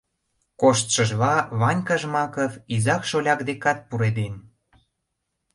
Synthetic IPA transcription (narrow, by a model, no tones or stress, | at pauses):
koʃt̪ʃəʒβɑβɑnʲkəʒmɑkəvizɑkʃolʲɑkd̪ekɑt̪̚puɾed̪en